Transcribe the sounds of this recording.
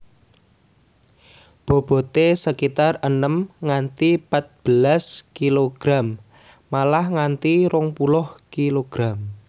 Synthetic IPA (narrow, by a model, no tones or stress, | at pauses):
b̥o̤b̥ɔ̤t̪esəkit̪arənəmŋant̪ipat̪̚b̥əlaskiloɡ̥ɾamː | alahŋant̪iɾʊŋpulʊhkiloɡ̥ɾam